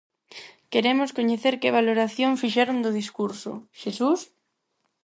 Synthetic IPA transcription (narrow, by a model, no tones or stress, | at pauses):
keɾemoskoɲeθeɾkɪβ̞aloɾaθjoŋfiʃɛɾond̪ʊðiskuɾso̰ʃesus